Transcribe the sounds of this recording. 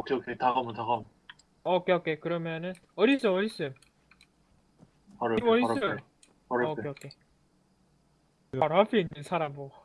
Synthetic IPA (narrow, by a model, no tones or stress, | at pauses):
okʰeokʰetaɣʌmɯnt̪aɡam | ʌkʰeʌkʰekɯɾʌmjʌnɯn | ʌɾis͈ʌʌɾis͈ɯ | ʌɾoimʌɾis͈ɯ | pʌɾkʰeeokʰe | ʌɾpʰeinːɯnsʰaɾamɾo